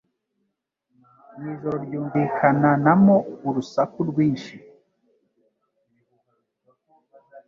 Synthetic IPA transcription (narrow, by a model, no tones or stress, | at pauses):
niːʒoɾoɾjuːɱvikʰananamouɾusakuɾɡwiːnʃi